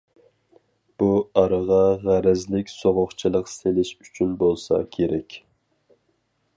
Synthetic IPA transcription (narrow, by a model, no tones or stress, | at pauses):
b̥uɑɾəʁɑʁæɾɛzlɪkʲsoʁʊχt͡ʃʰilˠəqselɪʃyt͡ʃʰynbolˠsɑ̰kʲʰeɾɛkʲ